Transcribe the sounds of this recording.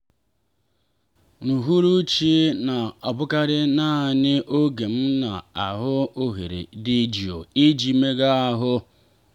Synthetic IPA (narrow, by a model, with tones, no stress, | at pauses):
nu˨ɦu˦ɾu˦t͡ʃi˦na˨ɔ˨bʊ˦ka˦ɾɪ˦na˦˨nɪ˦ʔo˦ɡe˨m̩˦na˨a˨ɦʊ˦o˦ɦḛ˨ɾḛ˨di˦d͡ʒi˨o̰˨i˦d͡ʒi˦me˦ɡa˦a˦ɦʊ˦